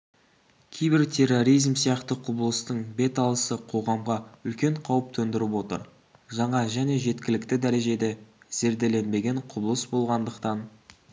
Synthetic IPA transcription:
kʲʰejbɪɾt̪ʲʰe̞ro̞ɾijzmsijɑqt̪əqʰʊbəlˠəst̪əɴbe̞t̪ɑlˠəsəqʰo̞ʁɑmʁɑʏlkʲe̞ɴqʰɑwəp̚t̪ʰɵnd̪ɪɾɪpwo̞t̪ə̰ɾ | ʒɑɴɑʒæne̞ʒe̞t̪kʲɪlɪkt̪ɪd̪æɾe̞ʒe̞d̪e̞ | z̥e̞ɾd̪e̞le̞nbe̞ɡʲe̞ɴqʰʊbəlˠəsbo̞lˠʁɑnd̪əqt̪ɑn

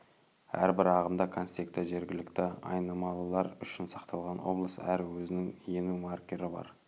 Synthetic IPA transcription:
æ̰ɾbɪɾɑʁəmd̪ɑkʰonst̪ekt̪ɪʒe̞ɾɡʲɪlɪkt̪ɪɑ̰jnɑmɑlˠəlˠɑɾʏʃɪnsɑqt̪ʰɑlˠʁɑnwo̞̰blˠəsæɾwɵzɪnɪŋje̞numarkʲe̞ɾɪbɑ̰ɾ

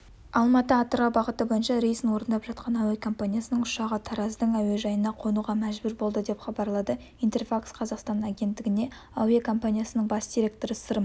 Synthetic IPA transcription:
ɑlˠmɑt̪əɑt̪əɾɑbɑʁət̪əbo̞jənʃɑɾejsənwo̞ɾənd̪ɑpʒɑt̪̚qʰɑnɑwekʰo̞mpanijasənəɴʊʃɑʁət̪ʰɑɾɑzd̪əɴæwe̞ʒɑjənɑqʰo̞nuʁɑmæʒbʏɾbo̞lˠd̪əd̪e̞pχɑbɑɾlˠɑd̪ə | int̪e̞rfaksqʰɑzɑqst̪ɑnaɡʲe̞nt̪ːɪɡʲɪne̞ | ɑwekʰo̞mpanʲijasənəɴbɑsd̪iɾʲe̞k̚t̪oɾəsəɾəm

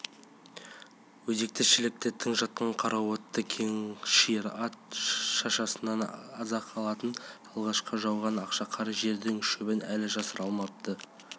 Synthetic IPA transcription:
wɵze̞k̚t̪ɪʃɪlɪk̚t̪et̪ʰːɪŋʒɑt̪̚qɑɴqʰɑɾɑwot̪ːəkʲʰeŋʃiɾɑt̪ʃɑʃɑsənɑnɑzɑqʰɑlˠɑt̪ənɑlˠʁɑʃqəʒɑwʁɑnɑqʃɑqʰɑɾɑʒe̞ɾd̪ɪŋʃɵbɪnælɪʒɑsəɾɑlˠmɑp̚t̪ʰə

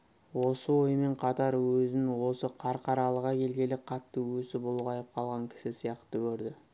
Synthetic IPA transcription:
wo̞səwo̞jəme̞ɴqʰɑt̪ɑɾwɵzɪnwo̞səqʰɑɾqʰɑɾɑlˠəʁɑkʲʰe̞lɡʲe̞lɪqʰɑt̪ːəwɵsɪbʊlˠʁɑjəp̚qʰɑlˠʁɑŋkʲʰɪ̥sɪsijɑqt̪əkʲʰɵɾd̪ɪ

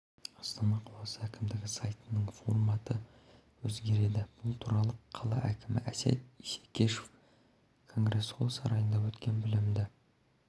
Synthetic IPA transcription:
ɑst̪ɑnɑqʰɑlˠɑsəækʲɪmd̪ɪɡʲɪsɑjt̪ənəɴfo̞rmɑt̪ə | wɵzɡʲe̞ɾe̞d̪ɪb̥ʊlˠt̪ʰuɾɑlˠəqʰɑlˠɑ̰ʔækʲɪmɪ̰ʔæsæ̰t̪isekʲʰe̞ʃef | kʰo̞ŋɡre̞sʰo̞lˠsɑɾɑjənd̪ɑwɵt̪kʲe̞nbɪlɪmd̪ɪ

